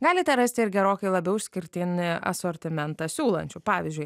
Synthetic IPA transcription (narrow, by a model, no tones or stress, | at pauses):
ɡɑːlʲɪt̪ʲɛɾɐsʲt̪ʲɪɪɾɡʲɛɾoːkʲɛɪlˠɐbʲɛʊʊʃʲsʲkʲɪɾʲt̪ʲɪnʲɪɐ̰soːɾʲt̪ʲɪmʲɛnt̪ɑsʲuːlˠɐ̰nʲt͡ʃʲʊpɑːʋʲɪzʲd͡ʒʲʊɪ